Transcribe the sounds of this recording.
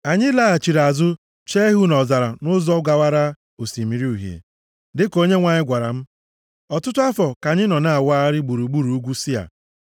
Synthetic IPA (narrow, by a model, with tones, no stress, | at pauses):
a˨ɲɪ˦la˦a˨t͡ʃi˨ɾa˨zʊ˦ | t͡ʃe˦ɦu˦nɔ˨za˨ɾa˨nʊ˦zɔ˦ɡa˨wa˦ɾa˦ | o˨si˨mi˨ɾi˦u˨ɦjḛ˨ | dɪ˦ko˦ɲe˦ŋʷa˨ɲɪ˦ɡʷa˨ɾa̰˨m̩˦ | ɔ˨tʊ˦tʊ˦a˦fɔ˨ka˨ɲɪ˦nɔ˨na˦a˨wa˦ɾɪ˦ɡ͡bu˨ɾu˨ɡ͡bu˦ɾu˨u˦ɡʷu˦si˦a̰˨